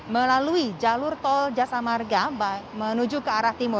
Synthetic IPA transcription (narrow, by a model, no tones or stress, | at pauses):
məlaluid͡ʒalʊrt̪ɔld͡ʒasamarɡabmənud͡ʒukəaɾaht̪imʊr